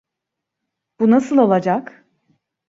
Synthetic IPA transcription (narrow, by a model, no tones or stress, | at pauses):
b̥unasɯlˠo̞lˠad͡ʒak